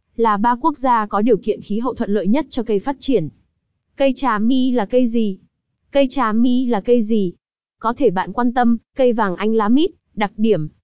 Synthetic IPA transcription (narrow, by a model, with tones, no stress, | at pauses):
laː˨˩ɓaː˧ku˦˥ək̚zaː˧kɔ˨˦ɗi˨˩əwkḭ˧˨ənxi˨˦ɦə̰˧˨t̪ʰə̰˧˨nlə̰˧˨jɲə˦˥t̚t͡ɕɔ˧kə˧jfaː˦˥t̚t͡ɕi˧˩ən | kə˧jt͡ɕaː˨˩mi˧laː˨˩kə˧jzi˨˩ | kə˧jt͡ɕaː˨˩mi˧laː˨˩kə˧jzi˨˩ | kɔ˨˦t̪ʰe˧˩ɓa̰ː˧˨nkwaː˧nt̪ə˧mkə˧jvaː˨˩ŋʔa˧jŋ̟laː˨˦mi˦˥t̚ɗa˨˩k̚ɗi˧˩əm